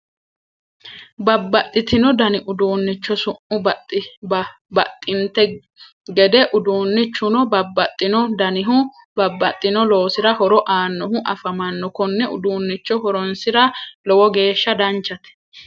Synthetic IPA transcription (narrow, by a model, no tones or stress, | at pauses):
bɐbːɐt̪ʼːɪt̪ɪnɔd̪ɐnɪʔʊd̪uːnːɪt͡ʃːɔsʊʔʊbɐt̪ʼːɪbɐ | bɐt̪ʼːɪnt̪ɛ | ɡɛd̪ɛʔʊd̪uːnːɪt͡ʃːʊnɔbɐbːɐt̪ʼːɪnɔd̪ɐnɪɦʊ | bɐbːɐt̪ʼːɪnɔlo̞ːsɪɾɐhɔɾɔʔaːnːɔhʊʔɐfɐmɐnːɔkɔnːɛʔʊ̰d̪uːnːɪt͡ʃːɔhɔɾɔnsɪɾɐlɔwɔɡe̞ːʃːɐd̪ɐnt͡ʃːɐt̪ɛ̥